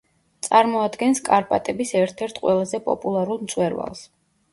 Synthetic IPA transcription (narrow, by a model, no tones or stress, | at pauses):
t̪sʼaɾmɔad̪ɡɛnskʼaɾpʼat̪ʼɛbisɛɾt̪ʰɛɾt̪ʰqʼwɛlˠazɛpʼɔ̰pʼulˠaɾulˠmt̪sʼwɛɾva̰lˠs